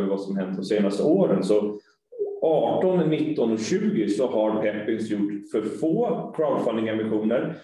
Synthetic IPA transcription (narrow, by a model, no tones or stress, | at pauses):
əvasɔmɦɛnd̪əd̪ɔmseːnast̪əoːɾənsɔ | ʔɑːʈɔnnɪt̪ːɔnɔɕʉ̟ːɡɪsɔhaɾpʰɛpːɪŋsjʊʈːfœɾfoːkʰɾɑd̪falːɪŋɛmbɪɧuːnəɾ